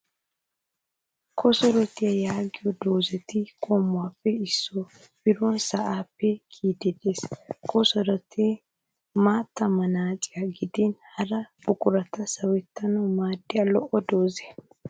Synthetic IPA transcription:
kʰɔsɔɾɔt̪ɪjɐjaːɡɪjɔd̪oːzɛt̪ɪkʼoːmːʊwaːpːɛɪsːɔ | bɪɾɔnsɐʔaːpːɛkʰiːd̪ɛd̪eːskʰɔsɔɾɔt̪ʰeː | maːt̪ːɐmɐnaːt͡sʼɪjɐɡɪd̪ɪnhɐɾɐbʊkʼʊɾɐt̪ɐsɐwɛt̪ːɐnɐmaːd̪ːɪjɐlɔʔɔd̪o̞ːze

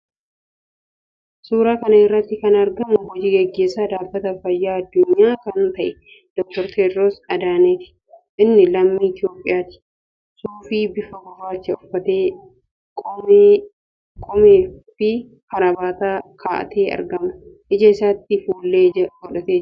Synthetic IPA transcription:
suːɾaːkɐnɐɪrːɐt̪ːɪkɐnɐɾɡɐmʊbɔd͡ʒiːɡɛɡːe̞ːsːaːd̪aːbːɐt̪ɐfɐjːaːɐd̪ːʊɲːaːkɐnt̪ɐʔɛ | d̪̥ɔk̚t̪ɔɾt̪ʰeːd̪ɾoːsɐd̪aːnet̪ɪ̥ | ʔɪnːɪlɐmːiːɪt̪ɪo̞ːpʼːɪjaːt̪ɪ̥ | suːfiːbɪfɐɡʊrːaːt͡ʃːɐʊfːɐt̪eː | kʼɔmeːfɪ | kɐɾɐbaːt̪aːkʰaːʔɐ̰t̪ʰeːɐ̰ɾɡɐmʊ | ʔɪd͡ʒɐɪsaːt̪ːɪfuːlːeːɐɡɔᶑɐt̪eːd͡ʒ

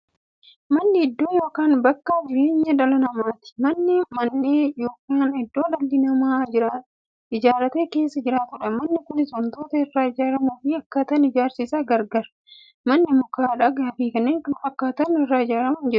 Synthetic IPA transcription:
mɐnːɪɪd̪ːo̞ːjo̞ːkaːnbɐkːad͡ʒɪɾeːɲːɐᶑɐlɐnɐmaːt̪ɪ̥mɐnːɪmɐnːeːjo̞ːkaːnɪd̪ːo̞ːlɐld̪ɪnɐmaːd͡ʒɪɾɐ | ɪd͡ʒaːɾɐt̪e̞ːke̞ːsːɐd͡ʒɪɾaːt̪ʊᶑɐmɐnːɪkʊnːɪsɔnt̪oːt̪ɐɪrːaːɪd͡ʒaːɾɐmʊfɪɐkːaːt̪ɐnɪd͡ʒaːɾsɪsaːɡɐɾɡɐɾ | mɐnːɪmʊkaːᶑɐɡaːfiːkɐnːeːŋkʊnɐkːaːt̪ɐnɪrːaːɪd͡ʒaːɾɐmɐnd͡ʒɛɾʊ

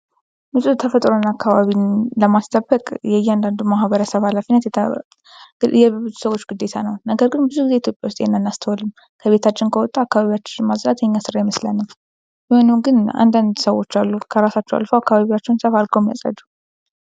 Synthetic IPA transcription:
mɨsʼut̪ʰəfət̪ʼɾonakʰːaβaβiləmast̪ʰəbːəkʼjɛjɛand̪and̪umahβəɾəsəβalafinːət̪ɛ | jɛbɨzusəwo̞t͡ʃːɡ̥ɨd̪ːe̞t̪ʰanəwnəɡəɾɡɨnbɨzuɡɨze̞it̪jo̞pʼjawʊst̪ʼjenːanːast̪ʰəwɔlɨm | kʰəβe̞t̪ʰat͡ʃːɪnkʰəwɔt̪ʼːaakːaβaβijwat͡ʃːmasɾat̪jɛɲːasɨɾajɛməslanːɨm | jɪho̞nɨmɡɨna̰nd̪and̪səwo̞t͡ʃːalːukʰəɾasat͡ʃːɛwa̰lfəwakːaβaβiwat͡ʃːɛwnsəfalɡʰomja̰sʼə̰d̪u̥

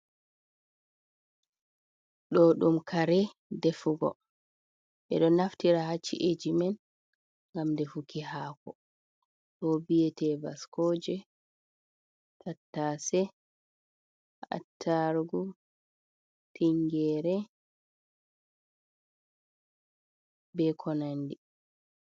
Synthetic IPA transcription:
ɗɔɗumkʰaɾɛ | defuɡɔ̰ | ɓɛ̰ɗɔnaftiɾahat͡ʃːḭʔed͡ʒimɛn | ŋɡamdɛfukihaːkɔ | ɗɔbijɛtʰɛbaskɔːd͡ʒɛ | tʰatːasɛ | a̰tʰːaɾɡu | tʰiŋɡɛːɾɛ | bɛkʰɔnandi

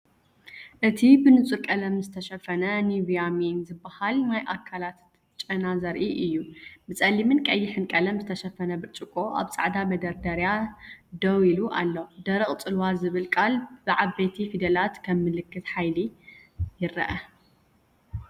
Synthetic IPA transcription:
ʔɨt̪ʰibɨnɨt͡sʼuɾkʼɐlɐmzɨt̪ʰɐʃɐfɐnɐnivijaminzɨbːahalnajʔakʰːalat̪ | t͡ʃʼɐnazɐɾʔiʔɨjːubɨt͡sʼɐlimɨnkʼɐjːɪħɨnkʼɐlɐmzɨt̪ʰɐʃɐfɐnɐbɨɾt͡ʃʼɨkʼːoʔa̰βsʼa̰ʕd̪amɐd̪ɐɾd̪ɐɾjad̪ɐwiluʔa̰lːod̪ɐɾɨχʼt͡sʼɨlwazɨβɨlkʼalb̥ɨʕabːet̪ʰifid̪ɐlat̪kʰɐmːɨlɨkʰːɨt̪ħajli | jɪɾɐ̰ʔɐ

